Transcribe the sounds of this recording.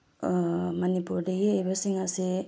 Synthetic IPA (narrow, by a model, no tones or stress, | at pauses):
mɐnipuɾdɐɡiəjbasiŋasi